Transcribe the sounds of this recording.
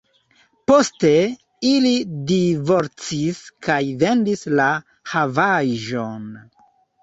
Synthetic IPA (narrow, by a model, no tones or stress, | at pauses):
poste̞ | ilidivo̞ɾt͡siskajve̞ndisla | havaʒo̞n